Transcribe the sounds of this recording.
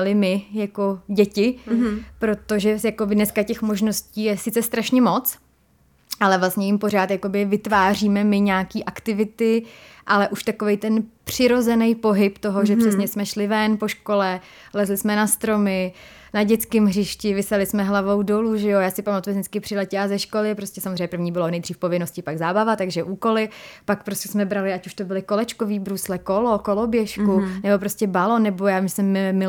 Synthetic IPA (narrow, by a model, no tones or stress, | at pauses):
lɪmɪjako̞ɟɛcɪpɾo̞t̪o̞ʒɛjakobɪdnɛskacɛxmo̞ʒno̞sciːjɛsɪt͡sɛst̪ɾaʃɲɛmo̞t͡s | ʔalɛvlast̪ɲɛjɪmpo̞ɾ̝aːt̪jako̞bɪvɪt̪vaːriːmɛmɪɲaːkiːʔakt̪ɪvɪt̪ɪʔalɛʔuʃt̪akovɛjt̪ɛnpr̥ɪɾo̞zɛnɛjpo̞ɦɪpt̪o̞ɦoʒɛpr̥ɛsɲɛsmɛʃlɪvɛnpo̞ʃko̞lɛ | lɛzlɪsmɛnast̪ɾo̞mɪ | naɟɛt͡skɪmɦrɪʃcɪvɪsɛlɪsmɛɦlavo̞wdo̞luʒɛjojaːsɪpamat̪uɛzɲɛt͡skɪpr̥ɪlɛcɛazɛʃkolɪpɾoscʲɛsamozreɲɛpɾr̩vɲiːbɪlonɛjd̪riːfpo̞vɪnoscɪpaɡzaːbavat̪aɡʒɛʔuːko̞lɪpak̚pɾoscɛsmɛbɾalɪacuʃt̪obɪlɪko̞lɛt͡ʃkoviːbɾuslɛkolokolobjɛʃkunɛbo̞p̬ɾoscɛbalonɛbo̞jaːvimʒɛsɛmːɪmːɪ